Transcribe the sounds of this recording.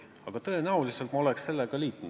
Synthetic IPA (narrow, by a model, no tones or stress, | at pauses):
ɑɡ̥ɑt̪ɤ̞e̞næulise̞lt̪mɑo̞le̞ksse̞lːeɡ̥ɑliːt̪ːˑun